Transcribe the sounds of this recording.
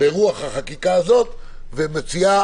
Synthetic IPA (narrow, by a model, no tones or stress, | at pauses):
eʁuaχhaχakikaːzo̞t̪ | vemet͡sia